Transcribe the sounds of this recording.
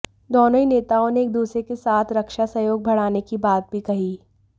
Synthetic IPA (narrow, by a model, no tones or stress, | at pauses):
d̪ɔːnoineːt̪aːõneːk̚d̪uːsɾekesaːt̪ʰɾɐkʃasɐjoːɡ̚bʱɐɽ̤aːnekibaːt̪̚bʱikɐɦiː